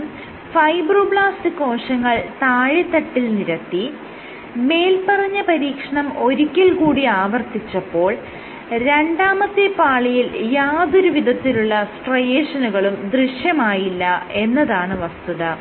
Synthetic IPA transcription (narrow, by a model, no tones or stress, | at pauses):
fɐjbrubɭaːstɨkːo̞ːʂɐŋːɐɭt̪aːɻit̪ːɐʈːilniɾɐt̪ːi | me̞ːlpɐrɐɲːɐpɐɾiːkʂɐɳɐmo̞ɾikʲːilkuːɽiaːʋɐrt̪it͡ɕːɐpːo̞ːɭ | ɾe̞ɳɖaːmɐt̪ːepaːɭijiljaːðoɾuʋid̪ʱɐt̪ːiluɭːɐsʈrɐjeːʂɐnuɣɐɭumd̪riʂjɐmaːjilːɐe̞nːɐðaːɳɨʋɐst̪uðɐ